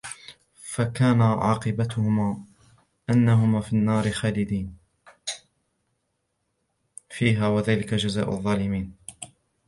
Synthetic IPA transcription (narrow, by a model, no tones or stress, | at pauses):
fakaːnaʕɑ̰ːqɨbat̪ʊhʊma | ʔanːaɦʊmaːfinːɑːɾɪxaːlɪd̪iːn | fiːɦaːwaðaːlɪkad͡ʒaza̰ːʔʊ̰ðˤːɑːlɪmiːn